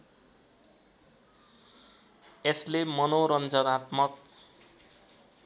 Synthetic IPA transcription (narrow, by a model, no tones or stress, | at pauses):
eslemʌnoɾʌnd͡zʌnat̪mʌk̚